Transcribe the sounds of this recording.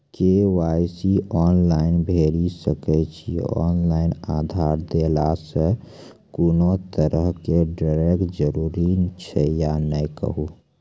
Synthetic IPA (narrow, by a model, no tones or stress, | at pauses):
kewaːjsiɔːnlaːɪnbʱeːɾisəkɛt͡ʃʰiɔ̰ːnlaːɪnaːd̪ʱaːɾd̪eːlasə | kunot̪əɾəɦkeɖaɾekʈd͡ʒəɾuːɾit͡ʃʰɛjanəikə̰ɦuː